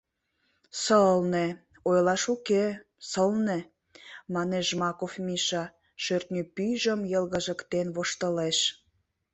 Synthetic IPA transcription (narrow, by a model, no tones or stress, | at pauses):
səlne | ojlɑʃuke | səlne | mɑneʃmɑkofmiʃɑ | ʃørt̪nʲypyʒəmjəlɣəʒə̆kt̪enβoʃt̪ə̆leʃ